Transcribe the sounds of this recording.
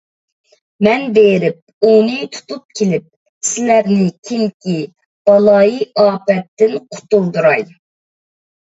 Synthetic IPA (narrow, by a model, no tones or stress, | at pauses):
mɛnbeɾɪp̚unɨt̪ʰu̥t̪up̚kʲʰelɪp̚ | sɪlæɾnɪkʲʰiŋkʲi | b̥ɑlˠɑjiɑːpɛt̪ːɪnqʰʊ̥t̪ulˠd̪uɾɑj